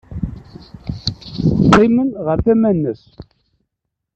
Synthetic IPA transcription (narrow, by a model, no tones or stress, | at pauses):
qimənʁəɾθæmænːəs